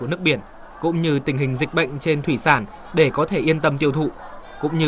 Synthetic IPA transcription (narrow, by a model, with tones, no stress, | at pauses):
u˧˩ənɨ˦˥k̚ɓi˧˩ən | kʊ̰˧˥ŋ͡mɲɨ˧t̪ï˧˩ɦï˨˩ŋ̟zï˨˩k̚ɓə̰˧˨jŋ̟t͡ɕe˧nt̪ʰwi˧˩saː˧˩n | ɗe˧˩kɔ˨˦t̪ʰe˧˩ʔi˧ənt̪ə˧mt̪i˧əwt̪ʰṵ˧˨kʊ̰˧˥ŋ͡mɲɨ˧